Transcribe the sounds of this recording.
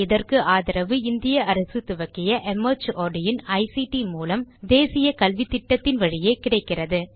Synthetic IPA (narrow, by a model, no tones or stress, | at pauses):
ɪðɐrkɯʔaːðɐɾɐʋɯɪnd̪ɪjɐʔɐɾɐsɯt̪ʊʋɐkːɪjɐʔɛmɐt͡ʃoːɖɪjɪnɐɪsiʈimuːlɐmd̪eːsɪjɐkɐlʋɪt̪ːɪʈːɐt̪ːɪnʋɐɻɪjeːkɪɽɐɪkːɪrɐðɯ